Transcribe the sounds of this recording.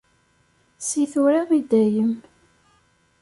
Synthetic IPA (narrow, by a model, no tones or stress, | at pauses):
siθuɾaʁid̪æjəm